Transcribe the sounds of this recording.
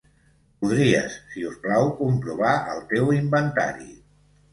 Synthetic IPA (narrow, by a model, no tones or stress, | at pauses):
puðɾiə̰sːiusplawkumpɾuβaə̰lˠt̪ewimbənt̪a̰ɾḭ